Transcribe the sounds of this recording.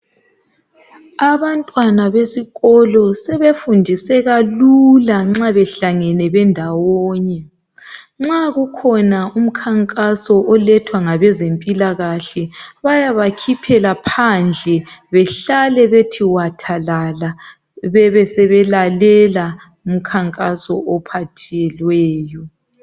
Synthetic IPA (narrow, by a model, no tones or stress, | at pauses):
aβantʼwanaβesiɣɔlɔsɛβefundʱisɛɣalulaŋ͡ǁaβɛɬaŋɛnɛβɛndʱawɔːɲɛ | ŋ͡ǁaɣukʰɔnaum̩kʰaŋkʼasɔʔɔlɛtʰwaŋaβɛzempʼilaɣaɬɛβajaβakʰipʰɛlapʰand͡ɮʱɛβɛɬalɛβetʰiwatʰalala | βɛβɛsɛβɛlalɛla | um̩kʰaŋkʼasɔʔɔpʰatʰɛlwɛːjɔ